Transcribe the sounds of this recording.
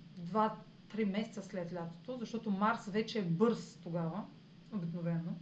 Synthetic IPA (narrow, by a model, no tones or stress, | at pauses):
d̪va | t̪ɾimɛsɛt̪səslʲɛt̪lʲat̪o̥t̪ozɐʃt̪ɔt̪omaɾsvɛt͡ʃɛːbɤɾst̪oɡavə | obiknovɛno